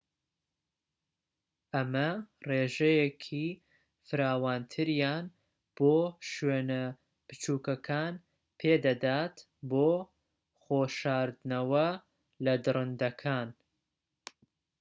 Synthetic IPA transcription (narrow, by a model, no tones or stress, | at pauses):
ʔɐmɐreːʒɐjekʰi | fɨɾaːwaːnt̪ʰɨɾjaːn | b̥oːʃɥenɐ | b̥ɨt͡ʃuːkɐkʰaːn | pʰeːd̪ɐd̪aːt̪ | boː | χoːʃaːɾd̪nɐwɐ | lɐd̪ɨrɨnd̪ɐkʰaːn